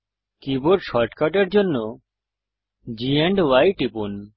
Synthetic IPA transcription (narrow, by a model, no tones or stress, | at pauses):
kiboɖʃɔɾʈkaʈeɾd͡ʑonːo | d͡ʑieɳɖwajʈipun